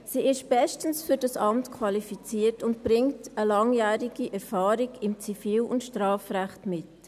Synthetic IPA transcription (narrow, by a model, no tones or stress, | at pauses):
siːɪʃb̥ɛstən̩sfyɾdɑsɑmtkʰwɑlifit͡siːərtʊntb̥ɾɪŋtəlɑŋjæːɾiɡ̥iʔɛɾfɑːɾiɡɪmt͡sifiːlʊ̰ntʃtɾɑːfɾæχtmɪt